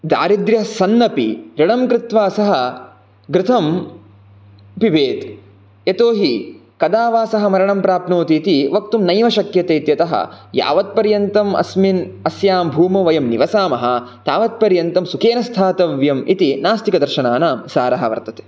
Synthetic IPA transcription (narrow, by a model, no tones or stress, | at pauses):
d̪a̰ːɾid̪ɾjɐɦɐsɐnːɐpiɾiɽɐmkɾɪt̪ʋaːsɐɦɐ | ɡɾɪt̪ʰɐm | pibʱeːt̪ | jet̪oːɦi | kɐd̪aːʋaːsɐɦɐ̆mɐɾɐɳɐmpɾaːpnoːt̪iːt̪iʋɐk̚t̪umnɐjmɐʃɐkjɐt̪eːt̪jɐt̪ɐɦɐ̰ja̰ːʋɐt̪̚pɐɾjɐnt̪ɐmɐ̰sminɐsjaːmbʱuːmɐʋɐjɐmniʋɐsaːmɐɦɐ | t̪aːʋɐt̪̚pɐɾjɐnt̪ɐmsukeːnɐst̪ʰaːt̪ɐʋjɐmḭt̪inaːst̪ikɐd̪ɐɾʃɐnaːnaːmsaːɾɐɦɐʋɐ̰ɾt̪ɐt̪e̥ː